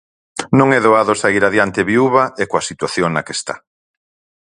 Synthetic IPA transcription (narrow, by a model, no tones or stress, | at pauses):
nõŋɛðoaðʊsaiɾaðjant̪eβiuβɐʔekoɐsit̪waθjoŋnakest̪a̰